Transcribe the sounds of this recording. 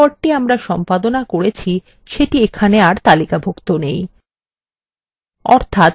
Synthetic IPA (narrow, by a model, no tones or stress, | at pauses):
ɔɾʈiamɾaʃɔmpad̪onakoɾet͡ɕʰi | ʃeʈiekʰaneaɾt̪alikabʱokt̪onej | ɔ̰ɾt̪ʰat̪